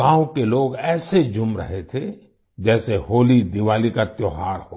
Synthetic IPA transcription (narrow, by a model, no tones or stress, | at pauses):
ãːõkeloːɡɛːsed͡ʒʊmɾɐ̰ɦet̪ʰe | d͡ʒɛːsehoːlid̪ɪʋaːlikat̪joɦaːɾɦo